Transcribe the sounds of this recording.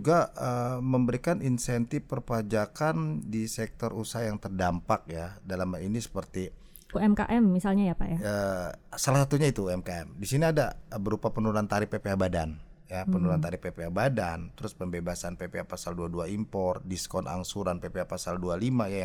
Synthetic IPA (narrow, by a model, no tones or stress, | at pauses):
uɡaəməmbəɾikaninsɛnt̪ɪfpərpəad͡ʒakandisɛk̚t̪ɔrusaɦajaŋt̪ərdampak̚jadalamainisə̥pərt̪i | kuɛmka̰ʔɛmːisalɲajapa̰jaəsalasat̪uɲait̪uɛmkaɛmdisiniadabəɾupapənulant̪aɾɪpːepeabada̰n | japənulant̪aɾɪpːepeabadant̪əɾʊspəmbebasanpepeapasalduaduaimpɔrdiskɔnʔa̰ŋsuɾanpepeapasaldualimajaja